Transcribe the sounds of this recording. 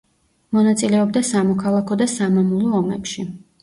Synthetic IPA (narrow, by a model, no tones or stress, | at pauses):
mɔnat̪sʼilɛɔbd̪asamɔkʰalˠakʰɔd̪asamamulˠɔːmɛpʃi